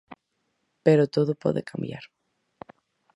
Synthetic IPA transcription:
peɾot̪oðopɔ̰ðekʰambja̰ɾ

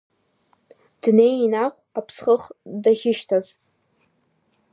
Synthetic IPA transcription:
d̥nejinaχʷapʰsχəχdaχʲɪʃtʰazʷ

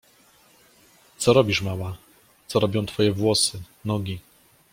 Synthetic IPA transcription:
t̪sɔɾɔbʲiʂmawa | t̪sɔɾɔbʲɔ̃w̃t̪fɔjɛvwɔsɘ | nɔɡʲi

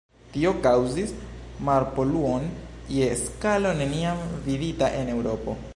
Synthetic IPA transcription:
tio̞kawzismaɾpo̞luonje̞skalo̞ne̞niamviditaʔe̞ne̞wɾo̞po̞̰

